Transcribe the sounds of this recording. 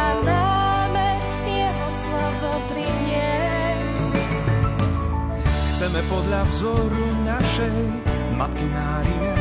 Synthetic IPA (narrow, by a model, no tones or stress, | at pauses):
ad̪amɛ | jɛɦɔslɔbɔpɾiɲɪɛ | s | xt͡sɛmɛpɔd̪ʎavzɔɾunaʃɛj | mat̪kimaːɾiɛ